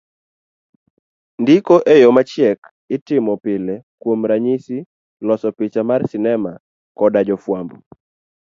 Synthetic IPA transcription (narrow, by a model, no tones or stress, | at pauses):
ndikoʔejomat͡ʃjɛk | ɪtɪmɔpɪlɛkwomɾaɲisi | lɔsɔpɪt͡ʃamarsɪnɛma | kɔdad͡ʒɔfwambɔ